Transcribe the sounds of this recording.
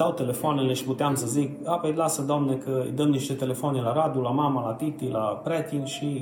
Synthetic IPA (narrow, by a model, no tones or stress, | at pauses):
awt̪e̞le̞foanele̞ʃi̥put̪eamsəzikapejlasəd̪oamnekəɨ̰jd̪əmniʃt̪e̞t̪e̞le̞foanelaɾad̪ulamamalat̪it̪ilapɾet̪inʃi